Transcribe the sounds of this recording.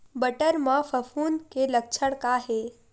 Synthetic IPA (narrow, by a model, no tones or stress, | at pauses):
bəʈəɾmãfʰəfʰuːnkelək̚t͡ʃʰəɽkaɦe